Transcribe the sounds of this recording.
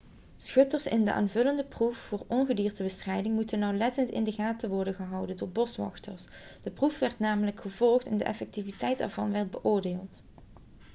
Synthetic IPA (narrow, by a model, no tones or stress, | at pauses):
sxɵtərsɪ̰ndəʔa̰ːnvɵləndəprufːʊːɹɔnɣədiːrtəbəstrɛjdɪŋmutənːɑwlɛtəntɪ̰ndəɣaːtəʋɔɹdənɣəɦɑwdəndʊːɹbɔsʋɑ̰xtə̰rs | d̥əprufʋɛɹtnaːmələkχəvɔlˠxtɪndəʔɛ̰fɛk̚tivitɛjtda̰ːɹvɑnʋɛɹd̚bəʔoːɹdeːlˠt